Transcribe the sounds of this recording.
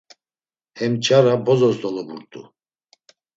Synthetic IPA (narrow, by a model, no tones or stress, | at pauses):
hɛmt͡ʃʰʼaɾabɔzɔsd̪ɔlɔbuɾt̪ʼṵ